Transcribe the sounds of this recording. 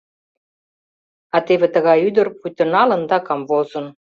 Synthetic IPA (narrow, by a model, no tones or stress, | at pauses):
ɑt̪eβĕt̪əɣɑjyd̪ə̆rput̪ə̆nɑlə̆nd̪ɑkɑmvozə̆n